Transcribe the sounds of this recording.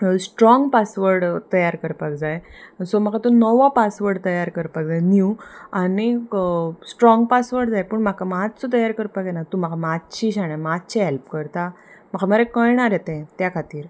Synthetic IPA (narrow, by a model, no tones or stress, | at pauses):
sʈɾɔ̃ŋɡpasʋəɾɽt̪əjaɾkəɾpak̚d͡zajsɔmakʰat̪onɔʋapasʋəɾɽt̪əjaɾkəɾpakd͡zajniuani | sʈɾɔ̃ŋɡpasʋəɾɽd͡zajpəɳm̤akamad͡zt͡sɔt̪əjaɾkəɾpakenat̪um̤akʰamatt͡ɕiɕaɽ̃amatt͡ɕiɦɛlp̚kəɾt̪a | məkʰaməɾekəɭɳ̃aɾɛt̪ẽt̪jakʰat̪iːɾ